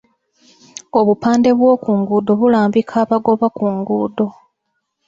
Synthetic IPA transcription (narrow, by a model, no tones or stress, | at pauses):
o̞βupaːnde̞βwoːkuːŋɡuːdo̞βulaːmbikʰaːβaɡo̞βakuŋɡuːdo̞